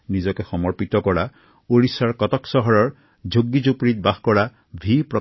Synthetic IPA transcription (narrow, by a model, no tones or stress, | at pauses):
nizɔkɛxɔmɔɹpit̪ɔkɔɹa | oɹisaɹkɔt̪ɔksɔɦɔɹɔɹ | d͡ʒoɡːid͡ʒupɹit̪̚bahkɔɹa | bʱipɹɔ